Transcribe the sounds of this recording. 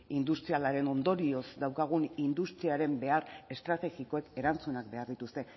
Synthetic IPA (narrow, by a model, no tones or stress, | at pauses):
ind̪ust̪ɾialaɾe̞no̞nd̪o̞ɾio̞zd̪awkaɣ̞unind̪ust̪ɾiaɾe̞mbe̞are̞st̪ɾat̪e̞ɣiko̞e̞ke̞ɾant͡sunak̚be̞aɾðit̪ust̪e̞